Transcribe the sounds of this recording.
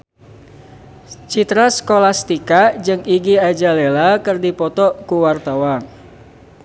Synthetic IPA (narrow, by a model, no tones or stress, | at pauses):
t͡ʃit̪ɾaskolast̪ikad͡ʒɨŋiɡiad͡ʒalelakɨrdipɔt̪ɔkuwart̪awan